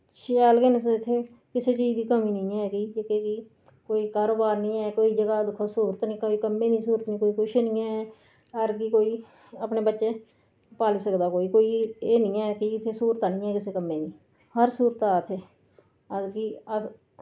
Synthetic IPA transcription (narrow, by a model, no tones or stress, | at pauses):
ʃaːlɡensɪt̪ʰːeː | kɪseːt͡ʃiːd͡ʒd̪iːkəmĩːnĩːɛːkiːd͡ʒekeki | koːiːkaːɾoːbaːɾnĩːɛːkoːiːd͡ʒəɡaːd̪ʊkʰːosuːɾət̪nĩːkəiːkəmːẽːnĩːsuːɾət̪nĩːkoːiːkʊʃeːnĩːɛːɛ | əɾkikoːiː | əpneːbətːʃeː | paːliːsəkd̪aːkoːiːkoːiːeːnĩːɛːkiɪt̪ʰːeːsuːɾət̪aːnĩːɦɛːkɪseːkəmːẽːnĩː | həɾsuːɾət̪aːt̪ʰeː | əkiə